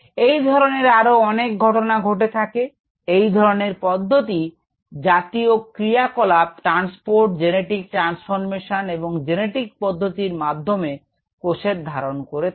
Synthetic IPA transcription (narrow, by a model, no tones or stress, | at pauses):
ejd̪ʱɔɾoneɾaɾoɔnek̚ɡʱɔʈonaɡʱoʈet̪ʰake | ejd̪ʱɔɾoneɾpɔd̪ʱːot̪i | d͡ʑat̪iokɾiakɔlap̚ʈɾanspoɾʈd͡ʑeneʈik̚ʈɾansfoɾmeʃaneboŋd͡ʑeneʈik̚pɔd̪ʱːot̪iɾmad̪ʱːome | koʃeɾd̪ʱaɾonkoɾe